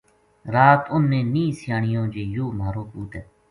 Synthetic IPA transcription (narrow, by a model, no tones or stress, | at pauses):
ɾaːt̪ʊnːẽːnĩːsɪjaːɳɪjõːd͡ʒeːjoːmaːɾõːkuːt̪ɛː